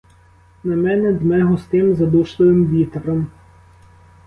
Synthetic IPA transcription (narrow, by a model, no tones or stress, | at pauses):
nɐmɛnɛd̪mɛɦɔst̪ɪmzɐd̪uʃlˠɪʋɪmʋʲit̪ɾɔm